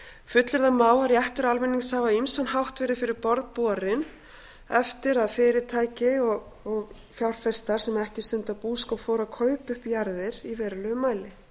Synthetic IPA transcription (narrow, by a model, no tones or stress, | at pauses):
fʏt̪lɪɾðamaːwaɾjɛht̪ʏɾalmɪnːiŋshavaimsɔnɦawht̪vɛːɾɪfɪɾɪɾpɔɾðpuaɾɪn | ɛft̪ɪɾaðfɪːɾɪt̪ʰaːjcɪɔɣɔɣ | fjawɾ̥fɛst̪aɾ̥sɛmɛhcɪst̪ʏnt̪apuːskɔfɔːwɾakʰœɥpʏhpjaɾðɪɾ̥ivɛːɾalœːɣʏmːaːjlɪ